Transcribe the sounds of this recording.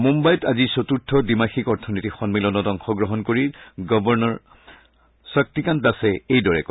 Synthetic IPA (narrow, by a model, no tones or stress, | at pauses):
mumbajɔtazisotutʰːɔdimaxikɔɹtʰɔnitixɔnmilɔnɔdɔŋxɔɡɹɔɦɔnkoɹiɡɔbɔɹnɔɹ | sɹak̚tikandasɛejdɔɹɛkɔ